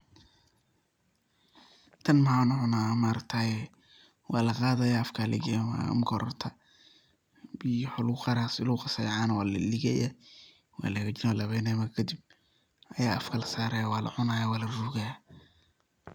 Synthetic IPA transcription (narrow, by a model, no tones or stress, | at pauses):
t̪ʰɐnmɐhaːnʊʕʊnaːmaɾɐkt̪ʰajɛ | wʔɑːlɐqaːðɐjaːɐfkʰaːlʔɐ̰ɡɛma̰mɡʰɔɾɔ̰rt̪ʰɐ | bijħɔlqɑɾaːsɪlʊqɑsɐjʕaːnɐwaːllɪɣɛ̰jɛ | wɑ̰ːlɛɣɐd͡ʒɪnɔːlɐβɛnɛːmɐkʰɐd̪ɪb̚ | ɐjaːɐfkʰɐlɐsaːɾɐjawaːlʔɐ̰ʕʊnaːjawaːlɐruːɣɐja